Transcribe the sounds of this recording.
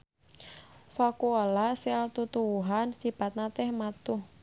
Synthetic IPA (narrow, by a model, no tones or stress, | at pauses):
fakualasalt̪ut̪uwuɦansipat̪̚nat̪ɛhmat̪uh